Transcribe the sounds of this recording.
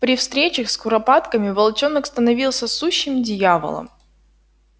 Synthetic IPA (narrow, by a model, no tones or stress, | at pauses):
pɾʲɪfst̪ɾʲet͡ɕəxskʊɾɐpat̪kəmʲɪvɐlˠt͡ɕonəkst̪ənɐvʲilˠsʲəsuɕːɪmdʲɪjavə̰lˠə̰m